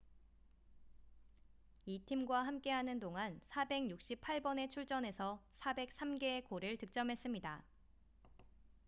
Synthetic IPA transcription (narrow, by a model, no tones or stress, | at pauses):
itʰimɡwaɦamk͈e̞ɦanɯndoŋansʰabe̞ɡjuk̚ɕ͈ipʰaɭbʌne̞t͡ɕʰuɭt͡ɕ͈ʌne̞sʰʌsʰabe̞k̚s͈amɡe̞ːkoɾɯɭtɯk̚t͡ɕ͈ʌmɦe̞s͈ɯmɲida